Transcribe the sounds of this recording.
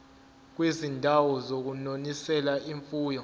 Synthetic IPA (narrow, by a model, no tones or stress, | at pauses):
k̬wezindʱawɔzok̬unonisɛlaiɱfuːjɔ